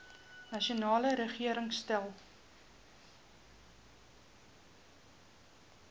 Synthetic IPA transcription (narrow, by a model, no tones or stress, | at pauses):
nɐʃiunɑːləɾəχiəɾəŋstælˠ